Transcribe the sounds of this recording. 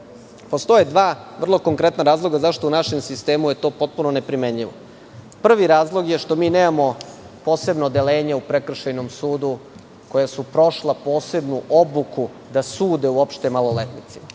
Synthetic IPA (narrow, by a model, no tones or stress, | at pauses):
po̞st̪o̞jed̪ʋaː | ʋr̩lˠo̞ko̞ŋkɾe̞t̪naɾaːzlˠo̞ɡazaʃt̪o̞unaʃe̞msist̪eːmuje̞t̪oːpo̞t̪̚punone̞pɾimeɲʎiʋo | pr̩ʋiɾaːzlˠo̞ɡje̞ʃt̪o̞miːneːmamo̞ | po̞ːse̞bnod̪e̞leːɲeupɾekr̩ʃajnomsuːd̪u | ko̞jasupɾo̞ʃlˠapo̞ːse̞bnuʔo̞buku | d̪asuːd̪euopʃt̪e̞malˠolet̪nit̪si